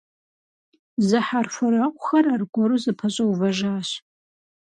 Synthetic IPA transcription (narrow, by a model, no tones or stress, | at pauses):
zɨħarfɐɾaqʷʼʊxɐrarɡʷɔɾuzɨpʰɐɕʼɐwvɐʒaːɕ